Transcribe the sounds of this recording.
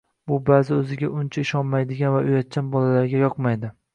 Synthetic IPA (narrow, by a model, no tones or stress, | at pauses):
bʊbazɪɵzɪɡʲaʔʊnt͡ʃʰaɪʃɒnmajd̪ɪɡʲanvaʊjat̪̚t͡ʃʰanbɒlalaɾɡʲajɒqmajd̪ɪ